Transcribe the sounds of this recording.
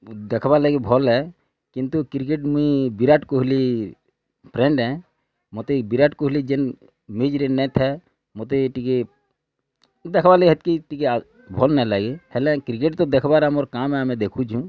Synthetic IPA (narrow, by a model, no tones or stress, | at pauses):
d̪ekʰbaleɡebʱɔlɦɛ | kɪ̃nt̪ukɾɪk̬eʈmuibiɾaʈkoɦli | pʰɾɛ̃ɳɖɦɛ̃ | mot̪ebiɾaʈkoɦlid͡ʒen | med͡ʒɾinɛt̪ʰɛ | mot̪eʈike | d̪ekʰbaleɡiɦət̪̚kiʈike | bʱɔlnɛlaːɡehɛlɛ̃kɾɪk̬eʈt̪od̪ekʰbaɾɛmoɾkaːmɦɛəmẽd̪ekʰud͡ʒũ